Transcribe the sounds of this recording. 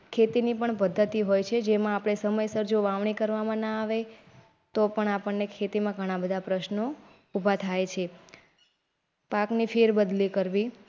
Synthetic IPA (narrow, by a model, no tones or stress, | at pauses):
kʰet̪inipəɳpəd̪ʱːət̪iɦojt͡ʃʰed͡ʒemãapɽ̃esəməjsəɾd͡ʒoʋaʋɳ̃ikəɾʋamãnəaʋe | t̪opəɳapəɳːekʰet̪imãɡʱəɽ̃ãbəd̪ʱapɾəʃno | ubʱat̪ʰajt͡ʃʰe | paknifʰeɾbəd̪likəɾʋi